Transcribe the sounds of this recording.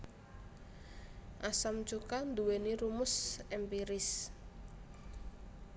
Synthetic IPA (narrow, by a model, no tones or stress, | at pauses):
ʔasamt͡ʃukand̪uweniɾumʊsɛmpiɾɪs